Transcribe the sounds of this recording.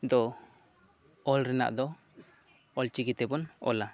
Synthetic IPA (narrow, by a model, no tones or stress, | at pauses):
d̪ɔ | ɔlɾɛna̰ʔd̪ɔ | ɔlt͡ʃiɡit̪ɛbɔnɔ̰la